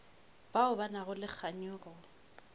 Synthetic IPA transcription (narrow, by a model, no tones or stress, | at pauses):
b̥aʊbanaɣʊlɪk͡xʰaɲʊːrɔ